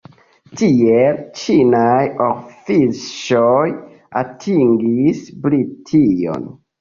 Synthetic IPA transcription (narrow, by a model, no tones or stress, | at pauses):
tiet͡ʃinajofiʃoj | atʰiŋɡisblitʰio̰n